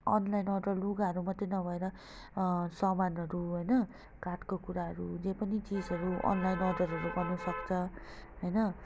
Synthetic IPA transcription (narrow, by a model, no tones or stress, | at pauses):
ʌnlajnʌɖʌrluɡaʌɾumat̪ːenʌbʱʌeɾʌ | sʌmanʌɾuɦojnʌ | karʈkokuɾaɦʌɾud͡zepʌnit͡sid͡zʌɾuʔʌ̰nlajnʌɖʌɾɦʌɾubʌnusʌkt͡sʰʌɦojnʌ